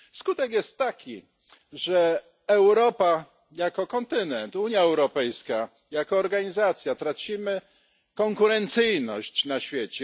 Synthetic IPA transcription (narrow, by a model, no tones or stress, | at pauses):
skut̪ɛkjɛst̪ːakʲi | ʐɛ | ɛwɾɔpa | jakɔkɔnt̪ɘnɛnt̪uɲjaɛwɾɔpɛjska | jakɔːɾɡaɲizat̪sʲjat̪ɾat͡ɕimɘ | kɔŋkuɾɛnt̪sɘjnɔɕt͡ɕnaɕfʲjɛt͡ɕɛ